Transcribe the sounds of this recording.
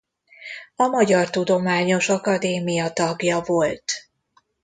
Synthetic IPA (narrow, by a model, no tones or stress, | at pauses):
ɒmɒɟɒrt̪ud̪o̞maːɲo̞ʃɒkɒd̪eːmijɒt̪ɒɡjɒvo̞lt̪